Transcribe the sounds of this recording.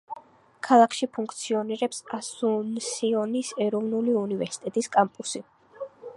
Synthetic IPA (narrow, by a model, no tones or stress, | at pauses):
kʰalˠakʰʃipʰuŋkʰt̪sʰiɔniɾɛpsasunsiɔnisɛɾɔvnuliunivɛɾsi̥t̪ʼɛt̪ʼiskʼampʼusi